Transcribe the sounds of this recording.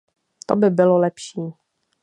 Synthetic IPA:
t̪obɪbɪlolɛpʃiː

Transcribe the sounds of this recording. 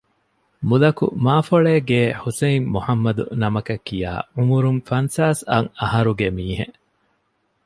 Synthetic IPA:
mulɐkṵmaːfoɭeːɡeːhuseimmːuħɐmːɐd̪ṵnɐmɐkɐkːija̰ːumuɾunfɐnsaːsɐ̰ŋɐɦɐɾuɡemiːɦḛ

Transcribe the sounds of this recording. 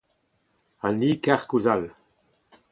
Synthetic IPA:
aniːkaʁkuzal

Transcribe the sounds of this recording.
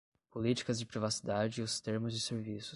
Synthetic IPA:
polit͡ʃi̥kɐzd͡ʒɪpɾivasi̥d̪ad͡ʒɪːʊst̪eɾmʊzd͡ʒɪseɾvisʊ̥

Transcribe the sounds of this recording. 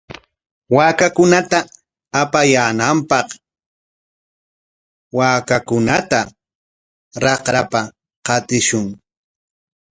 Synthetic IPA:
waːkakʊnat̪aː | pajaːnampɑq | waːkakʊnat̪a | ɾɑqɾapa | qɑt̪ɪʃʊŋ

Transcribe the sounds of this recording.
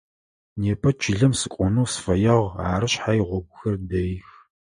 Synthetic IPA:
neːpʰɐt͡ʃʰɪɮɐmsɨkʷʼɔnuːsfɐjɐʁaːrɨɕħajiʁʷɔɡʷʊxɐrdɐjx

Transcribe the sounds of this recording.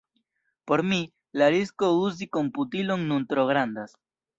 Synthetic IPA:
po̞ɾmi | laɾiskouzikomput̪iloŋnunt̪ɾoɣɾand̪as

